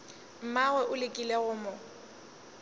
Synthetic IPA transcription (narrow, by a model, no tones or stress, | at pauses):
m̩maɣwɛʔʊlɪkʼileɣʊmʊ